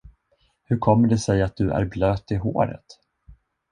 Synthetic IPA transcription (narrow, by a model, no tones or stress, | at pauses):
hɵɾkʰɔmːəɖɛsɛjat̪̚d̪ɵʔæ̰ɾbløːt̪ːɪɦo̰ːɾə̰t̪